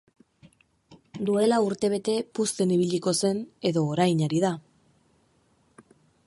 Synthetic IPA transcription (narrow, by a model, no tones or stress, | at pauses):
d̪ue̞lauɾt̪e̞β̞e̞t̪e̞pust̪e̞niβ̞iʎiko̞se̞ne̞ðoːɾajɲaɾið̞a